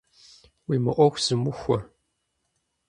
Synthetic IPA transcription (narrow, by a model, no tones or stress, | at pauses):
wiːmɨʔʷɔxʷz̥ɨmʊxʷɔ